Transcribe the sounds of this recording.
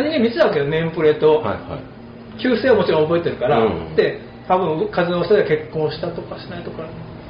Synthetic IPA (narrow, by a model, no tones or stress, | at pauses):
ɲʲĩŋɡemʲit͡ɕɨ̥t̪aβakejonẽ̞mpɯ̟ɾe̞t̪o̞̰a̰ | kʲɨːse̞ːomo̞t͡ɕiɾõobo̞e̞t̪e̞ɾɯ̟kaɾad̪̥e̞ | t̪abɯ̟̃ɯkazɨno̞ːst̪ad̪eke̞kːõ̞ɰ̃ɕi̥t̪at̪o̞kaɕi̥nait̪o̞kaɾ